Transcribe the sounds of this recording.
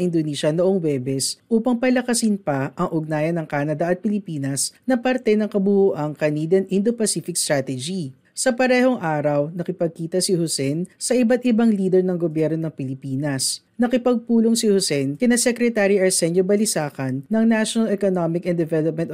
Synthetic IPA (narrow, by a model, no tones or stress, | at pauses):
ʔɪnd̪oniːʃɐnoʔoŋwɛbɛsʔuːpɐŋpɐlɐkɐsɪnpɐʔɐŋʔʊɡ̚naːjɐnːɐŋkaːnɐd̪ɐʔɐt̪̚pɪlɪpiːnɐsnɐpɐɾt̪ɛnɐŋkɐbʊhuʔɐŋkɐniːd̪ɐnʔɪnd̪opɐsifɪkst̪ɾat̪ɛd͡ʒi | sɐpɐɾɛhoŋʔaːɾɐwnɐkɪpɐɡ̚kiːt̪ɐsihʊsɛnsɐʔɪbat̪̚ʔɪbaŋliːd̪ɛɹnɐŋɡobjɛɾnonɐŋpɪlɪpiːnɐs | nɐkɪpɐɡ̚puːloŋsihʊsɛnkɪnɐsɛkɾɛt̪aɾiɐɹsɛɲobɐlɪsaːkɐnːɐŋnaʃonɐlɛkonomɪkɐnd̪ɛvɛlop̚mɛ̃nt̪